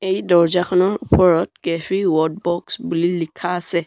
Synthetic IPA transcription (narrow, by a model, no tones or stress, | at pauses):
ejdɔɹd͡ʒakʰɔnɔɹupʰɔɹɔt̚kɛfiwɔd̚bɔksbulilikʰaːsɛ